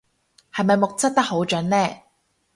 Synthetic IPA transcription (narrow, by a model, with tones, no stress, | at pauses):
hɐ˨jmɐ˨jmʊ˨k̚t͡sɐ˥t̚t̪ɐ˥k̚ho˨˥wt͡ʃɵ˨˥nlɛː˥˩